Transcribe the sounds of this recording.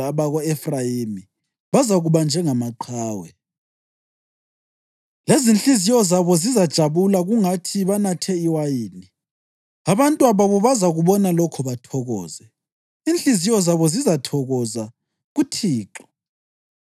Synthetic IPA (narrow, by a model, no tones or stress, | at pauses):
aβaɣɔɛfrajimi | βazaɣuβand͡ʒʱɛŋamaǃʰaːwɛ | lezinɬizijɔzaβɔzizad̥ʒ̥ʱaβulaɣuŋatʰiβanatʰɛiwajiːni | aβantʼuaβaβɔβazaɣuβɔnalɔkʰɔβatʰɔɣɔ̰ːzɛ | inɬizijɔzaβɔzizatʰɔɣɔza | ɣutʰiːǁɔ̥